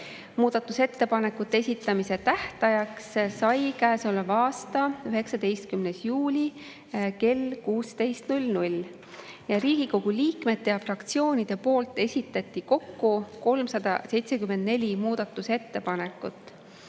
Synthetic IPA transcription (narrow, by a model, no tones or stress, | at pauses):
muːd̪̥ɑt̪ːˑuse̞t̪ːe̞pɑne̞kːut̪ːˑee̞sʲit̪ːˑɑmise̞t̪æht̪ɑjɑkssɑjkæːso̞levɑːst̪ɑyɦe̞ksɑd̪e̞jst̪̚kymne̞sjuːlʲi | ke̞lkuːst̪e̞jst̪nulʲnulʲ | jɑɾiːɡ̥iko̞ɡ̥uliːkme̞t̪ːe̞jɑfrɑkt̪sio̞ːnʲid̪̥e̞po̞ːlt̪ˑe̞sʲit̪ːˑɑt̪ʲːˑiko̞kːuko̞lmsɑd̪̥ɑ̰se̞jt̪se̞kymːend̪ne̞lʲimuːd̪̥ɑt̪ˑːuse̞t̪ːe̞pɑne̞kːˑut̪ːˑ